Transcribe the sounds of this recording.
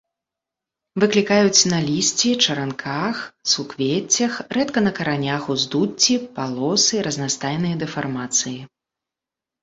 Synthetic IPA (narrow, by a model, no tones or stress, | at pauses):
vɨklʲikajut͡sʲnɐlʲisʲt͡sʲit͡ʂɐɾankʰaxsukvʲet͡sʲːɐxrɛt̪kɐnɐkɐɾanʲaxuzd̪ut͡sʲːipalˠɔsɨɾɐznast̪ajnɨjɐd̪ɛfarmat̪sɨji